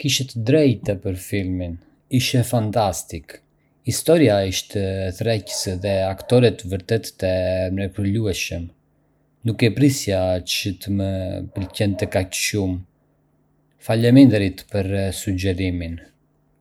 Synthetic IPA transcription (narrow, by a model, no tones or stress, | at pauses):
kiʃɛt̪əd̪ɾɛjt̪ɛpəɾfilmin | iʃɛfant̪ast̪ik | ist̪ɔɾiaiʃt̪ɛθɾɛcə̥sðɛakt̪ɔɾɛt̪vəɾt̪ɛt̪ːɛmɾɛpəluɛʃəm | nukɛpɾisjat͡ʃət̪əməpəlcɛnt̪əkacʃum | falɛmɛnd̪ɾit̪pəɾsud͡ʒɛɾimin